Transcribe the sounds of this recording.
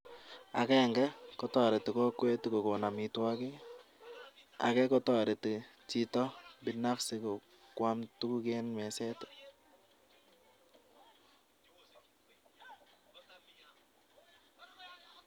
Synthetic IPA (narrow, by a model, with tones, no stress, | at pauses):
a̰˨kɛ˦˨ŋɡɛ˦kɔ˦tɔ˨ɾɛ˨tɪ˨kɔ˦kwe˦tko˨ko˨na˨mi˨twa˦ki˦ | a̰˨kɛ˦kɔ˦tɔ˦˨ɾe˨tɪ˨t͡ʃitɔ˦bi˨na˦fsɪ˨ko˨ | kwa˦mtu˦ku˦kɛ˦nmɛ˨sɛ˦t